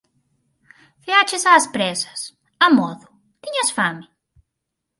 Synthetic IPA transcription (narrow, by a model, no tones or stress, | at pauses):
feat͡ʃɪsaːspɾɛsɐ̥s | ɐmɔðʊ | t̪iɲasfamɪ